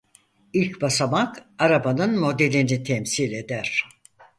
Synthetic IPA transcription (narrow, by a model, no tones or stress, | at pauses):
ilʲcbasamakaɾabanɯnmo̞d̪e̞lʲinit̪ʰɛmsilʲe̞d̪æɾ̥